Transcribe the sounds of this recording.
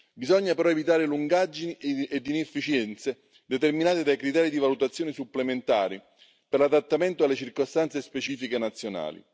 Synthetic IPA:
bizɔɲːapeɾɔevit̪aːɾeluŋɡad͡ʒinied̪ːinefːit͡ʃjɛnt̪se | d̪ɛt̪erminaːt̪ed̪ajkɾit̪ɛːɾid̪ivalut̪at̪sːjɔːnisupːlement̪aːɾi | pɛrlad̪at̪ːament̪oalːet͡ʃirkost̪ant̪sespet͡ʃiːfikenat̪sːjona̰ːlḭ

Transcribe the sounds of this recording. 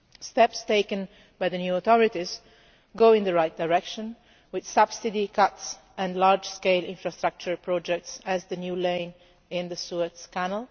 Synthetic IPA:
st̪ɛpst̪eɪkə̃n | bajðənjuɔt̪ɔɹɪt̪ɪz | ɡoʊɪ̃nd̪əɹajt̪̚d̪aɹɛkʃɔ̃n | wɪd̪sʌbsɪd̪ikʰʌt̪s | ɛ̃nlaɹd͡ʒskeɪlɪ̰̃ɱfɹast̪ɾak̚t͡ʃəɹpɹɔd͡ʒɛk̚tsæzd̪ənjulẽɪ̃n | ɪ̃nd̪əsuət̪skænəl

